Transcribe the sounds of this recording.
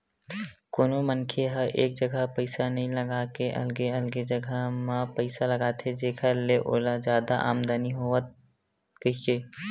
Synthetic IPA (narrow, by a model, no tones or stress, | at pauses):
koːnomənkʰeɦəʔḛːk̚d͡ʒəɡʱəpəɪsanəɦĩləɡakeʔə̰lɡeəlɡed͡ʒəɡʱəmãpəɪsaləɡat̪ʰed͡ʒeːkʰaleʔo̰ːlad͡ʒjaːd̪aʔa̰ːmd̪aniɦoːət̪̚ | kəɦikeː